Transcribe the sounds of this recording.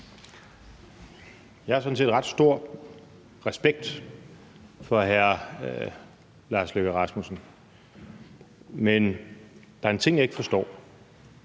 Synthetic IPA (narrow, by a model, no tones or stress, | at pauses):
jɑ̈hɑsɒ̽n̩s̬e̝̰ːd̥ʁɑ̈d̥sd̥o̝ɐ̰ | ʁasb̥eɡ̥̚d̥ | fɒ̽ɦæɐ | lɑ̈ːsløɡ̥æʁɑ̈smusn̩ | men | d̥ɑ̈æɐent͡sʰe̝ŋ̰jɑ̈e̝ɡ̥əfɒ̽sd̥ɒ̰ː